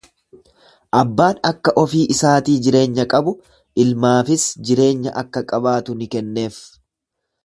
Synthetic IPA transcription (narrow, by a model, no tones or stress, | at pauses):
ʔɐbːaːnɐkːɐʔɔfiːʔɪsaːt̪iːd͡ʒɪɾe̞ːɲːɐkʼɐbʊ | ʔɪlmaːfɪsd͡ʒɪɾe̞ːɲːɐ̰ʔɐkːɐkʼɐbaːt̪ʊnɪkɛnːe̞ːf